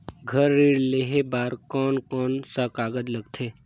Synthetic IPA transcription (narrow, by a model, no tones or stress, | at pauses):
ɡʱəɾːiːɽleːɦebaːɾkɔːnkɔːnsəkaːɡəd̪ləɡt̪ʰeː